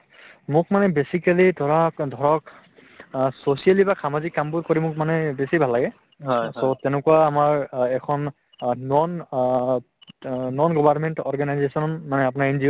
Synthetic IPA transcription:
mʊkmanɛbesikalidʱɔɹɔkdʱɔɹɔk | sosialibaxamazikːambʊɹkoɹimʊkmanɛbesibʱalːaɡɛ | sotɛnɛkuwaːmaɹɛkʰɔnː | ɔn | nɔnɡɔbaɹmɛntɔɹɡanajzesɔnnmanɛapʊnaɹend͡ʒio

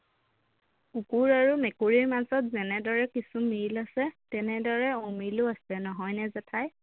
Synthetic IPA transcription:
ukuɹaɹumɛkuɹiɹmazɔtzɛnɛdɔɹɛkisumiɹlasɛtɛnɛdɔɹɛomilʊasɛnɔɦɔjnɛzɛtʰaj

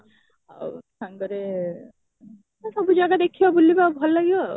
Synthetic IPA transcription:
a̰sãŋɡɔɾe | asɔbud͡ʒaɡad̪ekʰiɔbulːibabʱɔlːaɡijɔ

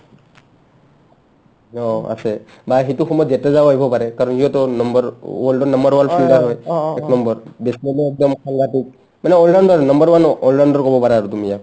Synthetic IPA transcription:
ɔa̰se | baɦit̪uxʰɔmɔjɔd͡ʒetezaboajbʱɔpaɾɛkaɾɔnɦiɔt̪ɔnɔmbɔɾɔlɖɔnɔmbɔɾwanpilɡaɾɦɔjeknɔmbɔɾbesdɔmɔek̚d̪ɔmsaŋɡatik | manɛɔlɖanɖɔɾnɔmbɔɾwanɔllanɖɔɾkɔbɔpaɾaːɾut̪umija

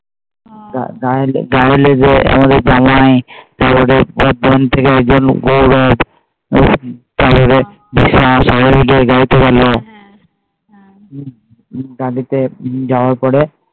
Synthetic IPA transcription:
ɡaɡalɡajlezea̰mad̪eɾzamajt̪aɾpɔɾebɔd̪ant̪ʰekeɛk̚d͡ʒɔnɡoɾɔb | t̪aɾpɔɾe | bisasɔɾebiɡeɡalit̪eɡɛlɔ | ɡalit̪ed͡ʒawaɾpɔɾe

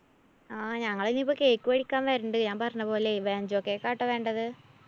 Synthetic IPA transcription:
aːɲɐŋːɐɭilipːokeːkːuʋɐɽikʲːaːnʋɐɾuɳɖɨɲaːnpɐrɐɲːɐpo̞ːleʋeːɲd͡ʑokːeːkːaːʈːɐʋe̞ːɳɖɐðɨ

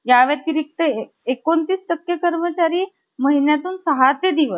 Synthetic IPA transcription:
jaʋeɾt̪iɾik̚t̪ə | ekont̪iːst̪əkjəkəɾmət͡ɕaɾiː | məɦinjat̪uːnsəɦat̪ed̪iʋəs

